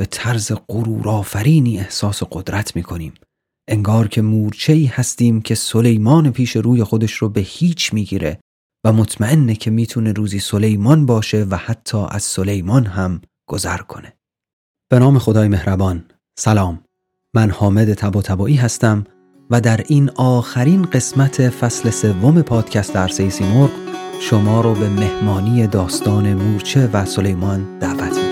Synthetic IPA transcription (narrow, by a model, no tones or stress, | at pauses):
b̥e̞t̪ʰæɾze̞ɡoɾuːɾɒːfæɾiːniːe̞hsɒːso̞ɢod̪ɾæt̪ʰmiːkʰo̞niːm | ʔe̞ŋɡɒːɾcʰe̞muːɾt͡ʃʰe̞iːhæst̪iːmcʲʰe̞so̞le̞jmɒːnepʰiːʃe̞ɾuːje̞xo̞d̪e̞ʃɾobe̞hiːt͡ʃʰmiːɡiːɾe | væmo̞t̪ʰmæe̞nːecʰe̞miːt̪ʰune̞ɾuːziːso̞le̞jmɒnbɒːʃe̞væhæt̪ʰːɒːʔæ̰z̥so̞le̞jmɒnɦæm | ɡ̥o̞zæɾkʰo̞ne̞ | b̥e̞nɒːme̞xo̞d̪ɒːjeme̞hɾæbɒn | sælɒːmː | ænhɒːme̞d̪e̞t̪ʰæbɒːt̪ʰæbɒːʔiːɦæst̪æm | væd̪æɾinɒːxæɾinɢe̞smæt̪ʰe̞fæsle̞se̞vːo̞me̞pʰɒːd̪̥cʰæst̪eæɾse̞jesiːmoɾɡʃo̞mɒːɾɒːbe̞me̞hmɒːniːje̞d̪ɒːst̪ɒːne̞muːɾt͡ʃʰe̞væso̞le̞jmɒnd̪̥æːvæt̪ʰmik